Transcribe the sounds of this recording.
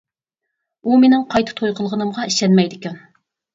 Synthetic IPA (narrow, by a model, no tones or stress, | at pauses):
umenɪŋqʰɑjt̪ʰɨ̥t̪ʰojqʰəlˠʁənɨmʁɑiʃɛnmɛjd̪ɪkʲɛn